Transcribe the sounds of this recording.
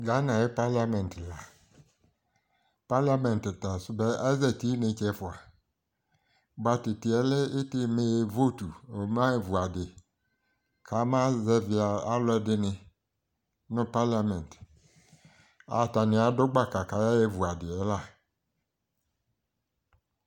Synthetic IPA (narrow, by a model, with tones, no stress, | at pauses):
ɡa˦na˨jɛ˦pa˦la˦mɛ̃˨ntla˨ | pa˦la˦mɛ̃˨n˨tta˨sʊ˦bɛ˦ɛ˦zɛ˨ti˦nɪ̃˨t͡ʃɛ˦fʊ˨a˨ | ɡ͡ba˨tɪ˨tɪ˨ɛ˦lɛ˦ɪ˦tɪ˦me˦je˦vo˦tu˨o˨˦m˦a˦jɛ˦vu˨a˨dɪ˨ | kʰa˨˦mã˦zɛ˦vɪ˨˦a˨a˦lɔ˦ɛ˦dɪ˦nɪ̃˨ | nʊ̃˦pa˦la˨mɛ̃˨n˨t | a̰˨ta˨nɪ̃˨˦a˨˦dʊ˦ɡ͡ba˦˨ka˨ka˨˦ja˦je˦vu˨a˨dɪ˨ɛ˨˦la˦˨